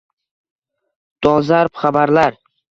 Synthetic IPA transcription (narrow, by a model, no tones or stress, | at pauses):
d̪̥ɒzaɾpχabaɾlaɾ